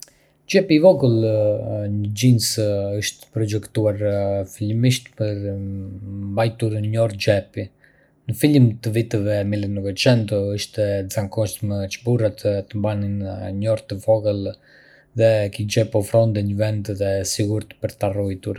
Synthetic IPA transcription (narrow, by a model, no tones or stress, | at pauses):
d͡ʒɛpivɔɡəlˠ | ɲəd͡ʒinsəʃt̪ə̥pɾɔd͡ʒɛkt̪uaɾfilmiʃt̪pəɾ | mbajt̪uɾɲɔɾd͡ʒɛpi | nəfilimt̪əvit̪əvɛmilənəkɔt͡ʃɛnt̪ɔəʃt̪ɛzaŋkɔʃt̪mət͡ʃəburat̪t̪əmbaninɲɔɾt̪əvɔɡəlˠ | ðɛkid͡ʒɛpɔfɾɔnd̪ɛɲəvɛnd̪ðɛsiɡuɾt̪ə̥pəɾt̪arɔjt̪uɾ